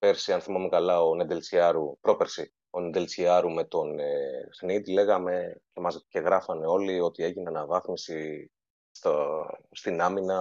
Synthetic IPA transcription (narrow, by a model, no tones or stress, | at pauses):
pe̞ɾsiɐnθimɐmekɐlɐo̞ned̪elt͡siɐɾupɾo̞pe̞ɾsi | o̞nend̪e̞lt͡siɐɾume̞t̪o̞nexnit̪ile̞ɣɐme̞ce̞mɐzce̞ɣɾɐfɐne̞o̞lio̞t̪ie̞ʝineɐnɐvɐθmisi | st̪ost̪inɐminɐ